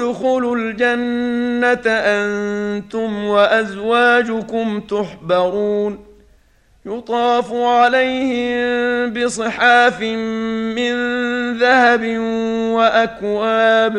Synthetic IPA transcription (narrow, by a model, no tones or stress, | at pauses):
d̪ʊxuːlʊld͡ʒanːat̪ʔant̪ʊmwaʔazwaːd͡ʒʊkʊmt̪ʊħbɑɾuːn | jʊt̪ˤɑːfuʕalajhɪmmbɪsˤɨħaːfɪː | ɪnðahabɪwaʔakwaaːb